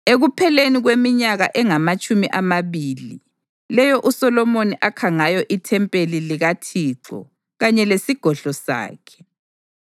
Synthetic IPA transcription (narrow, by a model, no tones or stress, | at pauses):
eɣupʰɛleniɣwemiɲaɣaʔɛŋamat͡ʃʼumiʔamaβiːli | lɛjɔʔusɔlɔmoniʔakʰaŋajɔʔitʰɛmpʼeliliɣatʰiːǁɔ̰ | ɣaɲɛlesiɡ̥ʱɔɮɔsa̰ːkʰɛ̥